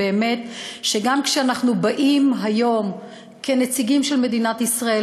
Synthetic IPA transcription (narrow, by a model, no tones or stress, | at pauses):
eːme̞t̪ʃeɡamkʃeanaχnubaʔimɦajo̞m | kʰe̞net͡siɡimʃelme̞dinatisʁae